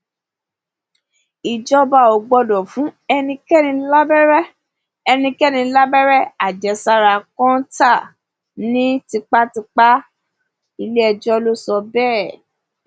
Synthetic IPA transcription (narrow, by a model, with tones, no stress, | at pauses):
i˨d͡ʒɔ˦ba˧˨o˨ɡ͡bɔ˧dɔ˨fũ˨˦ɛ˧nĩ˧kɛ˦nĩ˧la˦bɛ˦ɾɛ˦ | ɛ˧nĩ˧kɛ˦˨nĩ˧˦la˦bɛ˦ɾɛ˦a˨d͡ʒɛ˨sa˧ɾa˧˨kɔ̃˦ta˦˨ | nĩ˦ti˧k͡pa˦ti˧k͡pa˦ | i˧le˦ɛ˧d͡ʒɔ˦lo˦sɔ˧bɛː˦˨